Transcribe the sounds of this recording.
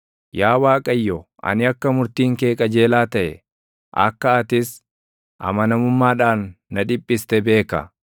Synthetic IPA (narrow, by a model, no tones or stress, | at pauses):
jaːwaːkʼɐjːɔʔɐ̰nɪɐkːɐmʊɾt̪iːŋke̞ːkʼɐd͡ʒe̞ːlaːt̪ɐʔɛ̰ | ʔɐ̰kːɐɐt̪ɪs | ʔɐ̰mɐnɐmʊmːaːᶑaːnːɐᶑɪpʼːɪst̪ɛbe̞ːkɐ̰